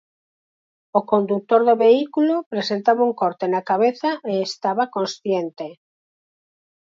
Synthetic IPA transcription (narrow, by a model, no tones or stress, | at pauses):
okõnd̪ut̪oɾðoβeikulopɾesent̪aβauŋkoɾt̪enakaβeθaʔeːst̪aβakõnsθjent̪e